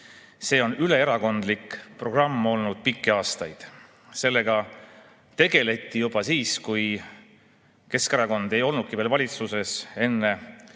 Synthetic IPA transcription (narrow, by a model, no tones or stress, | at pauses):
se̞ːo̞nyle̞eɾɑko̞nd̪likpro̞ɡ̥rɑmːo̞lnud̪̥̚pikːeɑːst̪ɑjd̪̥ | se̞lːe̞ɡ̥ɑ | t̪e̞ɡ̥e̞le̞t̪ːˑijub̥ɑsiːskuj | ke̞skeɾɑko̞nd̪̥e̞jo̞lnud̪̥̚kiveːlvɑlʲit̪suse̞se̞nːe̞